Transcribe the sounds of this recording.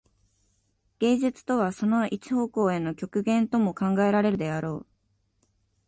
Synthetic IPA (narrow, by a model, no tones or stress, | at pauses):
ɡ̥ẽ̞ːd͡ʑɨt͡sɨ̥t̪o̞β̞aso̞no̞ʔit͡ɕi̥ho̞ːko̞ːe̞no̞kʲo̞kɯ̟ɡẽ̞nt̪o̞mo̞kãŋɡae̞ɾaɾe̞ɾɯ̟d̪e̞aɾo̞ː